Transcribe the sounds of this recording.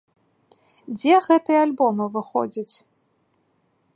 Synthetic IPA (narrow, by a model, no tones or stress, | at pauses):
d͡zʲɛɣɛt̪ɨjɐalʲbɔmɨvɨxɔ̰d͡zʲit͡sʲ